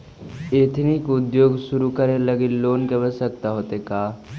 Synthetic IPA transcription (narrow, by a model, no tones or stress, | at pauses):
eːt̪ʰnɪkʊd̪joːɡʃʊɾukəɾneləɡeloːnkeʋəsək̚t̪aɦoːt̪ekaː